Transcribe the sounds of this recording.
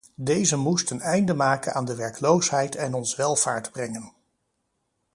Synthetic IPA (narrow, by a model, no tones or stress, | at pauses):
dejzəmustənɛjndəmaːkəna̰ːndəʋɛɹklowsɦɛjtʰɛnɔnsəʋɛlˠv̥aːɹtbrɛŋən